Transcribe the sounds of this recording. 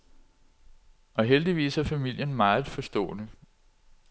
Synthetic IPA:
ʔɒ̽ɦeld̥iʋḭːsæɐfæmil̰jənmɑ̈ːð̩ˠfɒ̽sd̥ɔ̰̽ːnə

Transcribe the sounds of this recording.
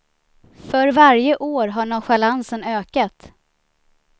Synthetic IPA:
fœɾvaɾjəʔoːɾɦaɳɔɧalansənøːkat̪

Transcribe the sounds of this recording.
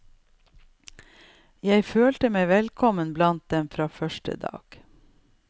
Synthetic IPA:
jæɪføːltəmæɪʋɛlkʰɔmənblɑnt̪̚d̪ɛmfɾɑːfœʃʈə̰d̪ɑ̰ːɡ̥

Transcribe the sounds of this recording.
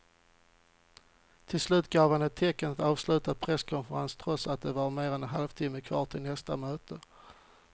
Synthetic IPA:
t̪ʰɪlslʉ̟ːt̪ɡɑːvhanɛt̪ʰːɛkːənat̪ɑːvslʉ̟ːt̪apʰɾɛskʰɔnfəɾa̰nst̪ʰɾœsat̪̚d̪ɛvaɾmeːɾɛnɛnɦa̰lvt̪ʰɪmːəkʰvɑ̰ːʈʰɪlnɛst̪amøːt̪ʰə

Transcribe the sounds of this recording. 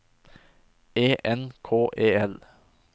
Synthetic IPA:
eːʔɛnkʰoːʔeːɛl

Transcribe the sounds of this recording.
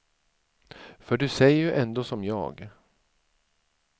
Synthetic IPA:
fœɖɵsɛjəjɵʔɛnd̪oːsɔmjɑ̰ːɡ

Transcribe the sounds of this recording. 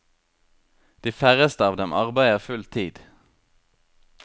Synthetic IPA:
d̪̥iːfæʁəst̪əɑːʋd̪ɛmʔɑʁbæɪəʁfʉlt̪ʰiːd̪̥

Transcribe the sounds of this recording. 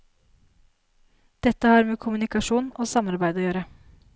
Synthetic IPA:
d̪̥ɛt̪ːəhɑːɾmeːkʰʊmʉnɪkɑʂuːnoːsɑmɑɾbæɪd̪oːjøːɾə

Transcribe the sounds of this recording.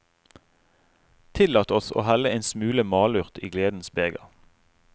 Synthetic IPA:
t̪ʰɪlɑːt̪əɔso̰ːhæləeɪnsmʉːləmɑːlʉʁt̪ʰiːɡleːd̪n̩sbeːɡɑ̰

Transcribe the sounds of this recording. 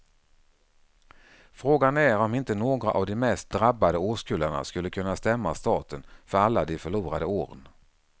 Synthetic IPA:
fɾoːɡanæɾɔmɪnt̪ənoːɡɾa̰ʔavd̪ɪmɛst̪̚d̪ɾabːad̪əoːʂkʉːləɳa̰skɵlːəkʰɵnːast̪ɛmːast̪ɑːt̪ənfœɾalːad̪ɛfœɭuːɾad̪əoːɾən

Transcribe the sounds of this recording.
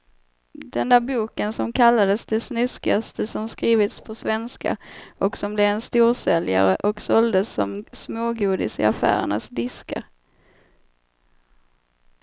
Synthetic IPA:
d̪̥ɛnd̪æːɾbuːkənsɔmkʰalːad̪əsd̪ɛsnʏskɪast̪əsɔmskɾiːvɪt̪spʰɔsvɛnska̰ʔɔksɔmblɛɛnst̪uːɾsɛlja̰ɾəʔɔksɔld̪əsːɔ̰msmoːɡuːd̪ɪsɪ̰afæ̰ːɾə̰ɳa̰sd̪ɪska̰ɾ

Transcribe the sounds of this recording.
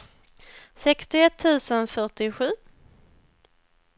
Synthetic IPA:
sɛkst̪ɪɛt̪ʰːʉ̟ːsənfœʈɪɧʉ̟ː

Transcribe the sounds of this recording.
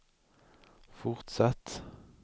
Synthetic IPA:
fʊʁt̪sɑt̪

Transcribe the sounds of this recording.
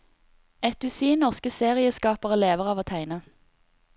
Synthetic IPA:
ɛt̪̚d̪ʉsiːnɔʁskəseːʁɪəskɑːpəʁəleːʋəʁɑːʋoːt̪ʰæɪnə

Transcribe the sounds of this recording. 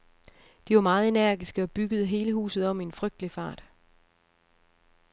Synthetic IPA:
d̥iʋɑ̈mɑ̈ːð̞̩ˠe̝næɐ̰ɡ̥isɡ̥əɒ̽b̥yɡ̥əð̞̩ˠəɦe̝ːləɦṵːsð̞̩ˠɒ̽m̰ienfʁœɡ̥̚d̥əlifɑ̰̈ːd̥

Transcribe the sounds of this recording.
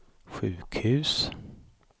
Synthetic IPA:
ɧʉːkhʉ̟ːs

